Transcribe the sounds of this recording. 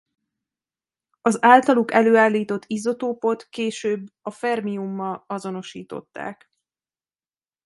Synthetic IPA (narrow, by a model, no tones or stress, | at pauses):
ɒzaːlt̪ɒlukɛløːaːlːiːt̪o̞t̪ːizo̞t̪oːpo̞t̪keːʃøːbːɒfɛrmiumːɒlɒzo̞no̞ʃiːt̪o̞̰t̪ːa̰ːk